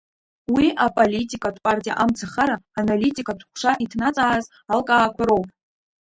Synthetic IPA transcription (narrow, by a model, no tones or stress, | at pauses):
wiʔapʼolitʼikʼatʰʼpʼartʼija̰ʔamt͡sʰaχaɾaːnalitʲʼikʼatʰχʷʂaʔitʰnat͡sʼaːz | alkʼaːkʷʰaɾo̞wpʼ